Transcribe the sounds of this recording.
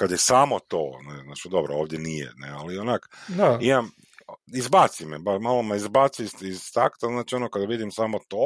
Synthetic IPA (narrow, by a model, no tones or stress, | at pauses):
kad̪jesaːmo̞t̪o̰ːneznaːt͡ʃid̪o̞bɾooːʋd̪jenijḛnḛalionakaimam | izbaːt̪simebamalˠomaizbaːt̪sisizt̪akt̪aznaːt͡ʃio̞nokad̪aʋid̪imsaːmo̞t̪oː